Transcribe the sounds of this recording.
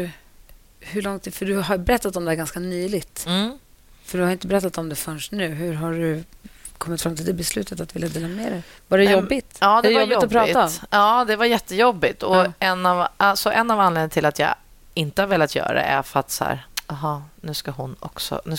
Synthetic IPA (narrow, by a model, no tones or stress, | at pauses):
hɵɭɔŋt̪fœɖɵaɾbɛɾɛt̪ːat̪ɔmd̪ɛhæɾɡanskanyːlɪɡt̪ː | fœɖɵhaɾɪnt̪əbɛɾɛt̪ːat̪ɔmd̪ɛfœɳʂnʉ̟ːɦɵ̟ɾɦaɖɵkʰɔmːɪt̪fɾamt̪ʰɪld̪ɛbɛslʉ̟ːt̪ət̪at̪vɪljad̪eːlammeːɾɛj | vaɾɛjɔbɪt̪ɑːdɛɛvajɪt̪ɔpʰɾɑːɑːd̪ɛvaɾjɛt̪ːəjɔbːɪt̪ɔɛnːavalsɔʔɛnːavanleːd̪nat̪ʰɪlat̪jɑ̰ː | ɪnt̪əhaɾveːljat̪jœ̰ːɾa̰d̪ɛ̰ʔæ̰ɾfœɾat̪shæ̰ːɾaɦɑnʉ̟ːskaɦʊnɔ̰ksɔ̰nʉ̟